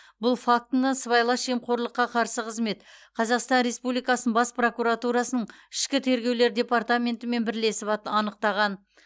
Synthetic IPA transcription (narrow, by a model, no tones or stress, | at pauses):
bʊlˠfak̚t̪ənəsəβɑjlˠɑʃemqʰo̞ɾlˠəqːɑqʰɑɾsəqʰəzme̞t̪qʰɑzɑqst̪ɑnɾe̞spublijkɑsənəbɑspro̞kuɾat̪uɾɑsənəɴɪ̥ʃkʲɪt̪ʰe̞ɾɡʲe̞wle̞ɾd̪ʲe̞part̪amʲe̞nt̪ɪme̞nbɪɾle̞sɪpɑɑnəqt̪ɑʁɑn